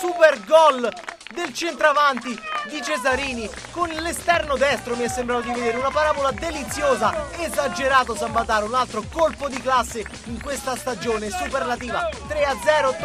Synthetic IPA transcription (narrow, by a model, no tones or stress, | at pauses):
superɡɔl | d̪elt͡ʃent̪ɾavant̪id̪it͡ʃezaɾiːni | konlest̪ɛrnod̪ɛst̪ɾomiɛsːembɾaːt̪od̪ived̪eːɾeunapaɾaːbolad̪elit̪sːjoːzaezad͡ʒeɾaːt̪̬os̬abːat̪aːɾunalt̪ɾokolpod̪iklasːe | iŋkwest̪ast̪ad͡ʒoːnesuperlat̪iːvat̪ɾead̪zːɛːɾo